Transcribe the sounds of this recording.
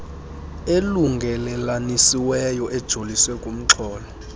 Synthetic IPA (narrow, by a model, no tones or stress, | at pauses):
eluŋɡʱɛlɛlanisiwɛjɔʔɛd̥ʒ̥ʱoliswɛkʼum̩ǁʰɔːlɔ